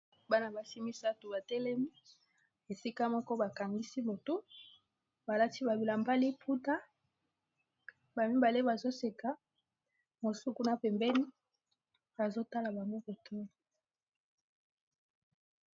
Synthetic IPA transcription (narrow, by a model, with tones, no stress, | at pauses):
ba˦na˨ba˨si˦mi˦sa˦tu˨ba˨tɛ˦lɛ˦mi˦ | e˨si˦ka˦mɔ˦kɔ˦ba˨ka˨ŋɡi˦si˦bo˨tu˦ | ba˨la˦ti˦ba˨bi˨la˨mba˦li˦pʰu˦ta˦ | ba˨mi˦mba˨le˦ba˨zo˦se˨ka˦ | mo˨su˦ku˦na˨pɛ˨mbɛ˦ni˦ | ba˨zo˦ta˦la˨ba˨ŋɡo˦ko˨tʰo˦i˨